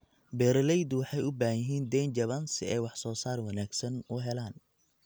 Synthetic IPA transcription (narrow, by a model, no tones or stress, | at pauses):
bɛːɾlɛjd̪wɑħɑjʊbaːhjɪɦiːnd̪ɛjnt͡ʃɐβɐnsɪɛjwɑħsɔːsaːrwɑnaːɡsɐnʊɦɛlaːn